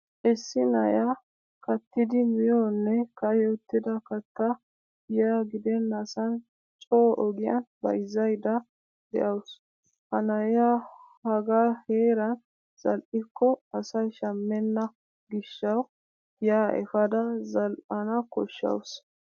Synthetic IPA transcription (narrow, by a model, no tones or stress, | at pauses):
ʔɛsːɪnɐja | kɐt̪ːɪd̪ɪmɪjoːnːɛkɐjɔt̪ːɪd̪ɐkɐt̪ːɐ | jaːɡɪd̪ɛnːɐsɐn | t͡ʃʼoːʔɔɡɪjɐ̰nbɐ̰jzːɐjd̪ɐ | d̪ɛ̰ʔɐws | hɐnɐja | hɐɡaːheːɾɐn | z̥ɐlʔɪkʰːɔɐsɐjʃɐmːɛnːɐ | ɡɪʃːɐw | jaːʔɛ̰fɐd̪ɐzɐlʔɐnɐkɔ̰ʃːɐ̰ws